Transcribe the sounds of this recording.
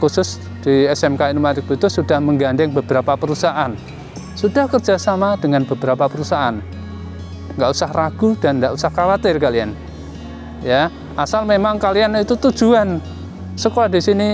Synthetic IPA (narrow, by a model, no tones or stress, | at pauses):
kusʊs | d̪̥iɛsɛmkainumat̪ɪk̚but̪ʊsud̥a̤hməŋɡand̪ɪŋbəb̥əɾapapəɾusaʔan | sud̥ahkər̥d͡ʒ̥asamad̥əŋanbəb̥əɾapapəɾusaʔan | ŋɡaʔusahraɡ̥ud̥anŋɡaʔusahkawat̪ɪrkalian | ja | ʔasalmemaŋkalianit̪ut̪ud̥ʒ̥uan | səkoɾad̥isini